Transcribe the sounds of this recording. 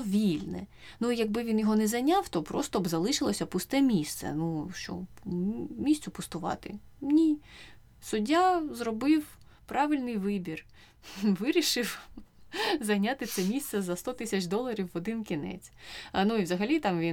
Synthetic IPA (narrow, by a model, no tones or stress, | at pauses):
ɔʋʲilʲnɛ̰nujɐɡ̚bɪʋʲinjɔɦɔnɛzɐjnʲɑwt̪ɔpɾɔ̰st̪ɔbzɐlˠɪʃɪlˠɔsʲɐpʊst̪ɛmʲist̪sɛ̰nuʃt͡ʃɔ̰ | mʲisʲt̪sʲʊpʊst̪ʊʋɑ̰t̪ɪ̰ | nʲi | sʊdʲːazrɔbɪw | pɾʔɑʋɪlʲnɪjʋɪbʲir | ʋɪɾʲiʃɪw | zɐjnʲat̪ɪsɛmʲist̪sɛzɐst̪ɔt̪ɪsʲɐt͡ʃd̪ɔlˠɐɾʲiwːɔd̪ɪnkʲinɛ̰t͡sʲnuiwzɐɦɐlʲit̪ɑmʋʲi